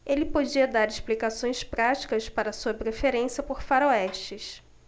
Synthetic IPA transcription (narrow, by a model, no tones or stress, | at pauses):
elɪpod͡ʒiɐd̪aɾɪʃplikasõj̃spɾat͡ʃi̥kɐspaɾɐsuɐpɾefeɾẽsjɐpoɾfaɾoɛʃt͡ʃɪs